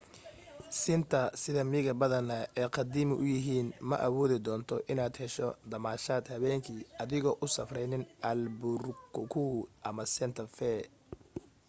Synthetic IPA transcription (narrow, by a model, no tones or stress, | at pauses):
sɪnt̪ʰɐsɪðɐmɪɣɐbɐðɐnɐɛːqɑd̪iːmɪʔʊjɪɦiːnmɐ̰ʔɐwɔːðɪd̪ɔːnt̪ʰɔʔɪnaːd̪hɛʃɔ̰d̪ɐmaːʃaːd̪hɐβɛːŋkʰiːɐðɪɣɔːʔʊsɐfrɛjnɪnʔɐlbʊrkʊkʰuːʔɐmɐsɛnt̪ʰɐfɛː